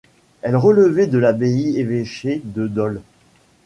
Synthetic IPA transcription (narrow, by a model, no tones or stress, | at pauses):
ɛlʁələvɛd̪əlabeieveʃed̪əd̪ɔl